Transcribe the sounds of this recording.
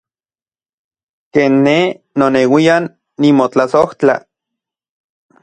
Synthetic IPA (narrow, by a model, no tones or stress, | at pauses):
keːnːe | nonewianː | imot͡ɬasoht͡ɬa̰